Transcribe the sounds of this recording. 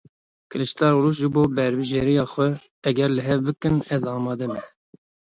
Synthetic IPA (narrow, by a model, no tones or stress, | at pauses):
kʰɨlɨʃt̪ɑːɾɾuːʃ̬ʒɨboːbɛɾbɨʒeɾijɑːxʷɛ | ɛɡɛɾlɨɦɛvbɨkɨnɛzɑːmɑːd̪ɛmɛ